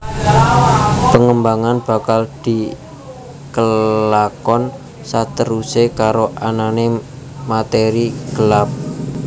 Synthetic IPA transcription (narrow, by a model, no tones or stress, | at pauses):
pəŋəmbaŋanb̥a̤kald̪̥i̤ | kəlakɔn | sat̪əɾusekaɾoʔanane | mat̪eɾiɡ̥əlap̚